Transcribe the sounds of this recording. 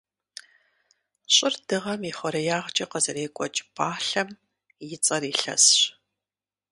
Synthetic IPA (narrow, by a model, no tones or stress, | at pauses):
ɕʼɪrd̥ɨʁɐmiːχʷɔɾɐjaːʁt͡ʃʼɐqəzɐreːkʷʼɔt͡ʃʼb̥aːɬɐm | jɪt͡sʼɐriːɬɐ̰sɕ